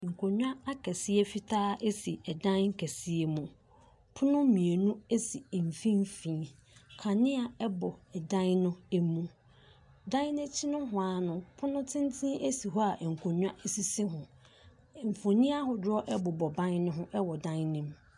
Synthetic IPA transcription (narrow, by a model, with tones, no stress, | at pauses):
ŋ̩˨kʰo˨ɲᶣ˦ã˦a˦kʰɛ˨si˦e˦fi˦tʰaː˦e˦si˨ɛ˨dã˦ŋ̩˦kʰɛ˨si˦e˨mũ˨ | pʰʊ˦nʊ̃˦mĩ˨e˨nũ˦e˦si˨m̩˨fĩ˦m˦fĩ˦ | kʰa˨nɪ̃˦a˨ɛ˦bɔ˨ɛ˨dã˦n˦nʊ̃˦ɛ˦mũ˦ | dã˦nɪ̃˦t͡ɕʰɪ˦nʊ̃˦ɦʊ˨a˨nʊ̃˨pʰʊ˦nʊ̃˦tʰɪ̃˦n˦tʰĩ˦ʔe˦si˨ɦɔ˦a˨ŋ̩˨kʰo˨ɲᶣ˦ã˦ʔe˨si˦sĩ˦ɦʊ̃˨ | m̩˨fo˨nĩ˦a˦ɦʊ˨dɔ˦ʔɛ˦bɔ˨bɔ˨bã˦n˦nʊ̃˦ɦʊ̃˦ʔɛ˦wɔ˨dã˦nnĩ˦m